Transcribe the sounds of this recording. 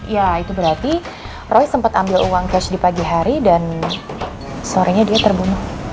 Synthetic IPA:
jait̪ubəɾart̪i | rɔjsəmpat̪ambɪluwaŋkɛt͡ʃdipaɡiɦaɾidan | səoɾaɲadiat̪ərbunʊh

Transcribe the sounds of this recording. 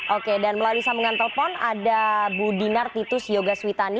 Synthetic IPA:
ʔokedanməlalusaməŋant̪ələfɔnadabudinart̪it̪ʊsjoɡaswit̪ani

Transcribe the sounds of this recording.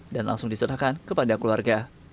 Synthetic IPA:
danla̰ŋsʊŋdisəɾakankəpadakluarɡa

